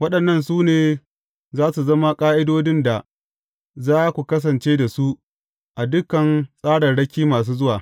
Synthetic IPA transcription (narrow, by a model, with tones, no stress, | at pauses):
wɐ˦ɗɐ˨nːɐ˦nsuː˦neː˨ | zaː˦su˨zɐ˦ma˦kʼaː˦ʔɪ˦doː˦dɪ˦nda˨ | zaː˦kʷu˨kɐ˦s̬ɐ˨nt͡ʃeː˦da˨su˦ | ʔa˨dʊ˦kɐ˨nsʼaː˦ɽɐ˨ɽɐ˦kʲiː˦maː˨s̬uː˦zʊ˦waː˨